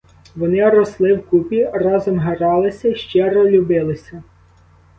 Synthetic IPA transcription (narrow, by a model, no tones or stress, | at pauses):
ʋɔnɪɾɔslˠɪwkupʲirɑzɔmɦeɾɑlˠɪsʲɐʃt͡ʃɛɾɔlʲʊbɪlˠɪsʲɐ